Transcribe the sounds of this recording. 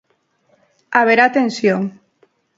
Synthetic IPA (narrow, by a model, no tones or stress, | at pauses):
aβ̞eɾat̪ensjoŋ